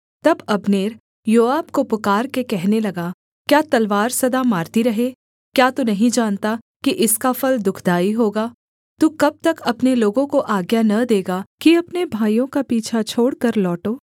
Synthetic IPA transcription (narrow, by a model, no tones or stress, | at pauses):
t̪ɐbɐbneːɾ | joːaːbkopʊkaːɾkekɛɦnelɐɡa | kjaːt̪ɐlʋaːɾsɐd̪amaːɾt̪iɾɐɦeː | kjaːt̪unɐɦĩd͡ʒaːnt̪a | kiʔɪskafɐld̪ʊkʰd̪aːiɦoːɡaː | t̪uːkɐb̚t̪ɐkɐpneloːɡõkoʔaːɡjanɐd̪eːɡakiɐpnebʱaːjõkapiːt͡ʃʰat͡ʃʰoːɽkɐɾlɔːʈoː